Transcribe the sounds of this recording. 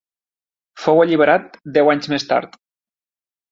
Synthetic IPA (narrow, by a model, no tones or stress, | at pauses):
foweʎiβ̞eɾat̪̚d̪ɛwaɲzmest̪a̰ɾt̪